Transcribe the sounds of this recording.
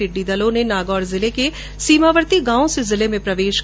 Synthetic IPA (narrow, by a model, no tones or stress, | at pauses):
ɪɖːid̪ɐlõnenaːɡɔːɾzɪleke | siːmaːʋəɾt̪iɡãːõsezɪlemẽpɾɐʋeːʃ